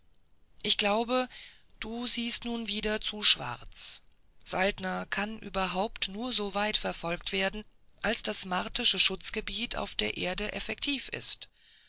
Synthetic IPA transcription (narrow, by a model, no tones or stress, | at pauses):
ʔɪçɡ̥laʊbəd̥uːziːstnuːnviːdɐt͡suːʃv̥a̰ʁt͡s | z̥altnɐkʰanʔy̰ːbɐɦaʊptnuːɐzoːvaɪtfɛɐfɔlktv̥eːɐdn̩ʔalsd̥asmaʁtɪʃəʃʊt͡sɡ̥əbiːtʰa̰ʊfd̥eːɐʔeːɐdəʔɛfɛk̚tʰiːfɪ̰st